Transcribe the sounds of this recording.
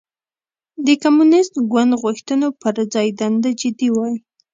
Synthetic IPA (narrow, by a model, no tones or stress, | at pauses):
d̪əkamunɪst̪ɡwand̪ɣʊxt̪ənopəɾd͡zɑjd̪and̪ad͡ʒɪd̪iwɑji